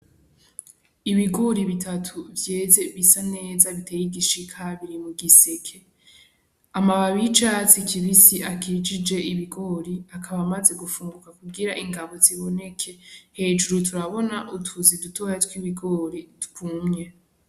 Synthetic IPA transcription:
iβiɡo̞ɾiβitʰatʰuvje̞ːze̞βisane̞ːzaβite̞jiɡiʃikʰaβiɾimuɡisekʰe̞ | amaβaβit͡ʃat͡sikʰiβisiakʰid͡ʒid͡ʒe̞iβiɡo̞ːɾiakʰaβamaze̞ɡufuːŋɡukakuɡiɾaʔiŋɡaβo̞ziβo̞ne̞kʰe̞he̞d͡ʒuɾutuɾaβo̞naʔutʰuzidutʰo̞jatkwiβiɡo̞ɾitu̥kʰumɲe̞

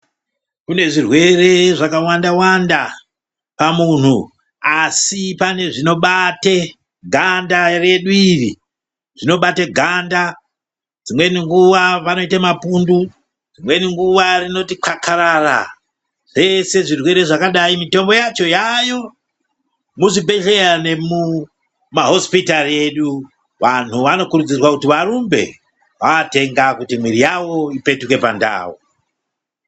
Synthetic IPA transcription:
kune̞ʐirwe̞re̞ʐakawandawanda | pamun̤u | asipane̞ʐino̞ɓate | ɡʱandare̞ɗuirḭ | ʐ̥ino̞ɓateɡʱanda | d͡zimwe̞niŋɡuʋapano̞itamapundu | d͡zimwe̞niŋɡuʋarino̞tiǃʰakʰaɾara̰ | ʐ̥e̞se̞ʐirwe̞ɾe̞ʐakaɗaimito̞mbo̞jat͡ʃo̞jajo̞ | muʐibʱe̞ɮe̞ɾane̞mu | maɦo̞spitarie̞ɗu | ʋan̤uʋano̞kuɾud͡zirwakutiʋaɾumbe̞̰ | ʋaːte̞ŋɡakutimwiɾijawo̞ipe̞tuke̞panda̰ːwo̰

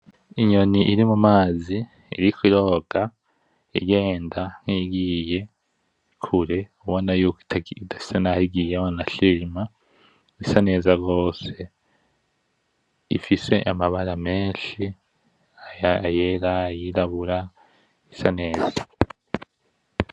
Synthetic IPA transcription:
iɲo̞niʔiɾimumaːzḭː | ɾikwiɾo̞ːɡ̥a | ḭɡe̞ːndaŋiɡiːje̞ | kʰuɾeuβonajuktːdai̥senahiɡiːjewanaʃima | isane̞ːzaɡo̞ːse̞ | ḭfise̞ʔamaβaɾame̞ːnʃi | ajeɾajiɾaβuɾa | isane̞ːza

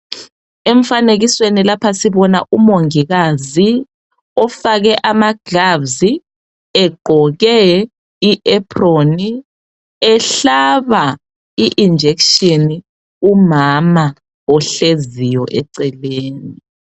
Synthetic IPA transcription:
eɱ̩faneɣiswenilapʰasiβɔnaʔumoŋiɣazi | ɔfaɣɛʔamaɡ̥ʱabzi | ɛɡ͡ǃʱɔɣɛ | iʔɛpʰroni | ɛɬaβa | iʔind͡ʒʱekʃini | umama | ɔɬezijɔʔɛǀɛleːni

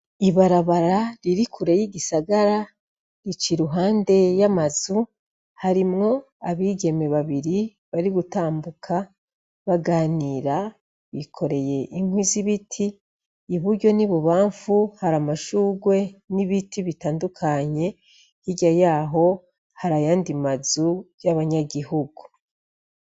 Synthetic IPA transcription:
iβaɾaβaɾaɾiɾikʰuɾejiɟisaɡaɾa | ɾit͡ʃiɾuɦaːnde̞jamazu | haɾimŋo̞ | aβiːɡe̞me̞βaβiɾi | βaɾiɡutaːmbukʰa | βaɡaːniːɾa | βikʰo̞ɾe̞je̞ʔiŋ̥hwiziβitʰiː | βuɾɟo̞niβuβaːɱfuhaɾamaʃuːɡwe̞niβitiβitaːndukʰaɲe̞ | hiɟajaːɦo̞ | haɾajaːndimazujaβaɲaɡihuɡu

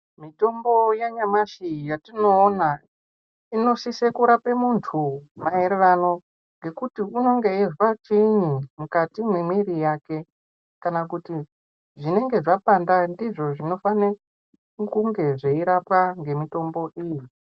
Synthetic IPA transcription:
mito̞mbo̞jaɲamaʃijatino̞ːna | ino̞sisekuɾapemuntʰumaeɾeʋano̞ | ŋɡe̞kutiuno̞ŋɡe̞iʐikat͡ʃiɲimukatimwimwiɾijake̞ | kanakuti | ʐine̞ŋɡe̞ʐapandandiʐo̞ʐino̞fane | kuŋɡe̞ʐeiɾapaŋɡe̞mito̞mbo̞ʔiji

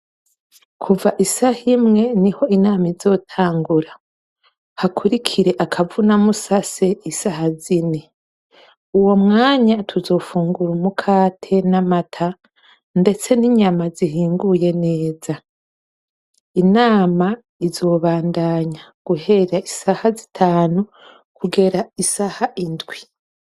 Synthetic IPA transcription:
kʰuvaʔisahimŋe̞niho̞inaːmaizo̞ːtʰaːŋɡuɾa | hakʰuɾikʰiɾe̞ʔakʰavunamusase̞isaɦazine | uwo̞mŋaːɲatʰuzo̞ːfuːŋɡuɾumukʰaːtʰe̞namatʰa | nde̞t͡se̞niɲamazihiːŋɡuje̞ne̞ːza | inaːma | izo̞βaːndaːɲaɡ̥uɦe̞ɾaisahazitʰaːnu | kuɡe̞ɾaisahaʔindwi

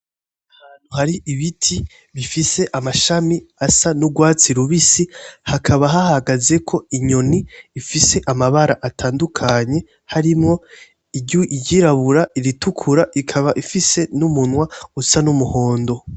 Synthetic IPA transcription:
ahaːn̥huhaɾiʔiβitʰi | βifise̞ʔamaʃamiasanuɡwaːt͡siɾuβisihakʰaβaɦahaɡaze̞kʰo̞iɲo̞niːfise̞ʔamaβaɾaʔatʰaːndukʰaɲe̞ | haɾimŋo̞ | iɟuʔiɟɟiɾaβuɾaʔiɾitukʰuɾaʔikʰaβaʔifise̞numunwausanumuho̞ːndo̞

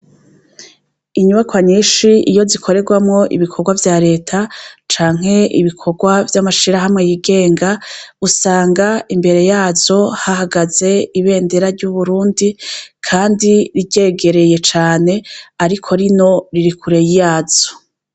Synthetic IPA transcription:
iɲuβakwaɲiːʃiijo̞zikʰo̞ɾe̞ɡwamŋo̞ʔḭβikʰo̞ɡwavjaɾe̞ːtʰat͡ʃaːŋ̥he̞ḭβikʰo̞ɡwavjamaʃiɾaɦamŋe̞jiɡe̞ːŋɡausaːŋɡaimbe̞ɾe̞jaːzo̞hahaɡaze̞iβe̞ːndeɾaɾɟuβuɾuːndikʰaːndiɾiɟeːɡe̞ɾe̞je̞t͡ʃaːne̞aɾikʰo̞ɾino̞ɾiɾikʰuɾe̞jijaːz̥o̥

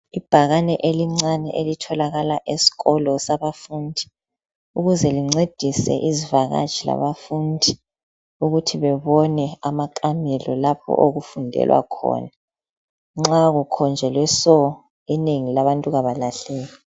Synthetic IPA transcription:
ib̥ʱaɣanɛʔeliŋ͡ǀanɛ̰ʔelitʰɔlaɣalaʔesi̥ɣɔlɔsaβafundʱi̥ | uɣuzɛliŋ͡ǀed̥ʱisɛ̰ʔizivaɣa̰d̥ʒ̥ʰʱila̰βafundʱi | uɣutʰiβɛβɔnɛamakʼamɛlɔlapʰɔ̰ʔoɣufundʱɛ̰lwa̰kʰɔ̰ːna | ŋ͡ǁaɣukʰɔnd͡ʒʱɛlwɛsɔ | ineŋilaβantʼuɣaβalaɬɛːli

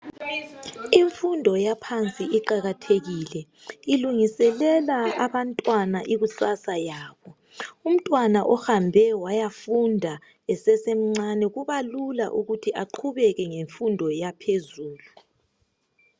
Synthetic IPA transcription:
iɱfundʱɔjapʰant͡sʼiiǃaɣatʰeɣiːlɛ | iluŋisɛlɛlaaβantʼwanaʔiɣusasajaːβɔ | um̩tʼwanaʔɔxambʱɛwajafundʱa | ɛsɛsem̩ŋ͡ǀanɛɣuβalula̰ʔuɣutʰiʔaǃʰuβɛɣɛŋeɱfundʱɔjapʰezuːlu

